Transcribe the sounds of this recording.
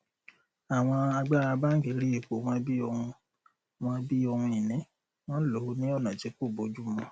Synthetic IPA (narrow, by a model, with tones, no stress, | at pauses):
a˨w̃ɔ̃˧a˧ɡ͡ba˦a˧ba˦ŋ̩˦ɡe˨˦ɾi˦e˨ko˨˦w̃ã˦bi˦ɔ˧hũ˧ | w̃ɔ̃˦bi˦ɔ˧hũ˧i˨nĩ˨˦ | w̃ɔ̃˦lo˨˦nĩ˦ɔ˦˨nã˨ti˨˦ko˦˨bo˨˦d͡ʒu˦mɔ̃˧